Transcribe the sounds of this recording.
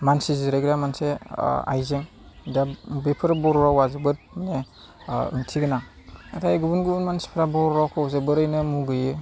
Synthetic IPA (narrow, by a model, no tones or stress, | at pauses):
mansizɯɾaɡɾamansḛa̰jzeŋ | dabepʰɯɾabɔɾɾawazɯbɯɾ | ne | ɯ̰ŋtʰiɡɯna | atʰajɡubunɡuunmansi̥pʰɾabɔɾɾakʰɯwzɯbɯɾɯjnɯmuɡɯjɯ